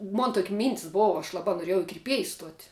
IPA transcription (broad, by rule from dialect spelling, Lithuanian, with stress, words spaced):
ˈmoːn ˈtoːkʲ ˈmʲiːnʲtʲɪs ˈboːʋɐ ɐʃ ˈlˠɑːbɐ noːˈrʲiɛjɛʊ ɪ kʲɪrʲˈpʲiɛjs ˈstuɔtʲ